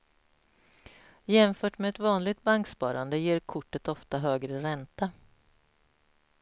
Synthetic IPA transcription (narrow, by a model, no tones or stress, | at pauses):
jɛmfœːʈmeɛt̪vɑːnlɪɡ̚t̪̚baŋkspɑ̰ːɾand̪əjeːɾkʰʊʈːət̪ɔft̪aɦøːɡɾəɾɛnt̪a